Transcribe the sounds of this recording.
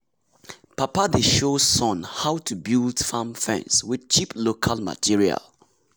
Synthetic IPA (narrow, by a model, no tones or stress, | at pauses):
papadeʃosɔ̃nhaʊtʰubildfãmfɛ̰̃nswɪð̥t͡ʃipʰlokʰalma̰tʰiɹia̰l